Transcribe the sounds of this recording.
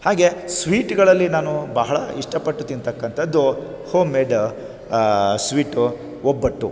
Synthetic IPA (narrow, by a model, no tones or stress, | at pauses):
haːɡe̞sʋiːʈɡɐɭɐlːinaːnubɐɦɐɭɐ̰iʂʈɐpɐʈːut̪int̪ɐkːɐnt̪ʰɐd̪ːu | hoːmeːɖ | sʋiːʈu | ɔbːɐʈːu